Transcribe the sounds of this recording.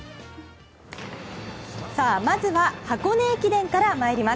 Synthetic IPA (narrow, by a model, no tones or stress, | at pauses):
saːmazɨβahako̞ne̞ːkʲid̪ẽ̞ŋkaɾamaeɾʲima